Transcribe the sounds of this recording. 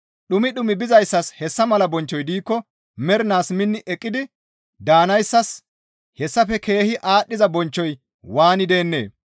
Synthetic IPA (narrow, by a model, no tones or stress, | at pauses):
ɗʊmɪɗʊmɪbɪzɐjsːɐshɛsːɐmɐlɐbɔnt͡ʃːɔjd̪iːkːɔ | mɛɾɪnaːsmɪnːɪʔɛkʼːɪd̪ɪ | d̪aːnɐjsːɐs | hɛsːɐfɛke̞ːhɪʔaːɗːɪzɐbɔnt͡ʃːɔj | waːnɪd̪e̞ːnːe̞̰ː